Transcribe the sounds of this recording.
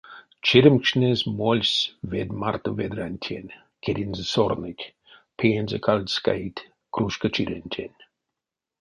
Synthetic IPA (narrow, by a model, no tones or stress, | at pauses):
t͡ʃiɾʲəmkʃnʲezʲmolʲsʲved̪mart̪ovʲed̪ɾanʲt̪ʲʰenʲ | kʰʲeɾʲinzɨsornɨtʲ | pʰejenʲzɨkʰalʲd̪ska̰it̪ʲ | kruʃkət͡ʃiɾʲenʲtʲʰenʲ